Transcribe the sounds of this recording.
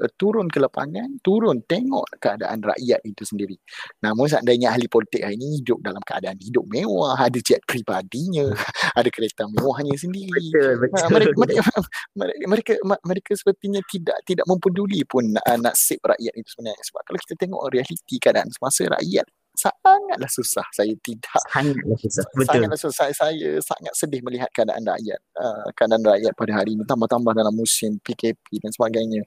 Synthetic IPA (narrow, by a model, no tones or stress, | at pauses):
t̪uɾʊnkələpa̰ŋãnt̪uɾʊnt̪eŋɔ̰ʔkəada̰ʔanra̰ʔjat̪̚it̪usəndiɾinãmʊns̬aʔandaiɲaalipolit̪ɪk̚lahinihidʊp̚dalamkəa̰daʔanhidʊp̚mẽwaɦadad͡ʒɛt̪̚pɾibadiɲãadakəɾet̪amewaɦɲas̬əndiɾi | məɾeməməməɾekamməɾekasə̥pərt̪iɲat̪ida̰ʔt̪idaʔmə̃mpədulipʊnəna̰ʔsɪp̚ra̰ʔjat̪it̪u̥səbənaɲ̰səba̰p̚kalawki̥t̪at̪eŋɔ̰ʔɾialit̪ikəadaʔa̰nsəmasəɾa̰ʔja̰t̪̚ | saŋat̪̚lahsusahsajat̪idaʔsaŋat̪̚lahsusabətsaʊŋat̪̚lahsusasasajasa̰ŋat̪̚sədɪhməliɦat̪̚kəada̰ʔa̰nra̰ʔja̰t̪̚əkəadaʔanraʔjat̪̚padaɦaɾinĩt̪ambaht̪ambahdalamːusɪmpikepidansəbaɡajɲa